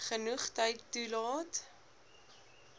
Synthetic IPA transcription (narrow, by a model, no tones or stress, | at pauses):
χənuχtəjtːulɑːt